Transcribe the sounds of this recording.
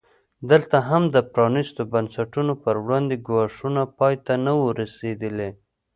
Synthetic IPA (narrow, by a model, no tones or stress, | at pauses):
d̪əlt̪aɦamd̪əpɾɑnist̪obansaʈunopəɾwɽɑnd̪eɡwɑʂunapɑjt̪anawəɾased̪əle